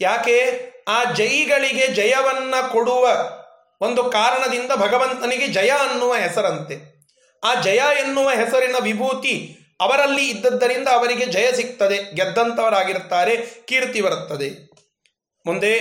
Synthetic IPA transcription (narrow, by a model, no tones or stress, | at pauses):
jaːke̞ːaːd͡ʒɐjiɡɐɭiɡe̞d͡ʒɐjɐʋɐnːɐko̞ɽuʋɐ | o̞nd̪ukaːɾɐɳɐd̪ind̪ɐbʱɐɡɐʋɐnt̪ɐniɡe̞d͡ʒɐjaɐnːuʋɐɦɛsɐɾɐnt̪e̞ | aːd͡ʒɐjaːenːuʋɐɦɛsɐɾinɐʋibʱuːt̪i | ɐʋɐɾɐlːiːd̪ːɐd̪ːɐɾind̪ɐːʋɐɾiɡe̞d͡ʒɐjɐsik̚t̪ɐd̪e̞ɡɛd̪ːɐnt̪ɐʋɐɾaːɡiɾut̪ːaːɾe̞kiːɾt̪ibɐɾut̪ːɐd̪e̞ | mund̪e